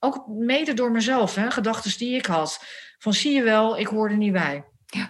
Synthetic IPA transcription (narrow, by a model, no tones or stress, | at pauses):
owkmejdədʊːɹmɛzɛlˠfɦɛχədɑχtəzdiɪkɦɑtfɑnsijəʋɛlˠɪkɦʊːɹdənibɛj